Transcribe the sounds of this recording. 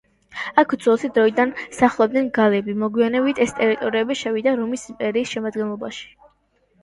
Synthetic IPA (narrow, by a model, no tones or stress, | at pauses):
akʰd̪zɔlˠsid̪ɾɔid̪ansaχlˠɔb̚d̪ɛnɡalɛbimɔɡwianɛbit̪ʰɛst̪ʼɛɾit̪ʼɔɾiɛbiʃɛvid̪aɾumisimpʼɛɾiːsʃɛmad̪ɡɛnlˠɔbaʃi̥